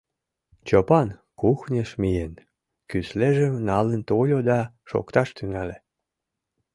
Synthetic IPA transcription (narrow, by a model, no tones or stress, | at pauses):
t͡ɕopɑnkuxnʲeʃmijen | kysleʒəmnɑlənt̪olʲod̪ɑ | ʃo̰kt̪ɑʃt̪yŋælʲe